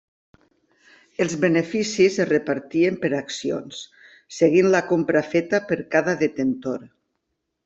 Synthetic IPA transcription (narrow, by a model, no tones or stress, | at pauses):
elˠzβenefisizerepaɾt̪iempeɾaksio̰nsː | eɣinlakompɾafet̪apəɾkaðaðet̪ent̪oɾ